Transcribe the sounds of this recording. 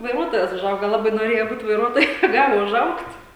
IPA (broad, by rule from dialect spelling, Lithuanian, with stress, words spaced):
ʋɐɪˈruɔtoːjɛs ʊˈʒɐʊɡɐ ˈlˠɑːbɐɪ noːˈrʲeːjɛ ˈbuːt ʋɐɪˈruɔtoːjʊ nʲɛˈɡɑːlʲɪ ʊˈʒɐʊktʲ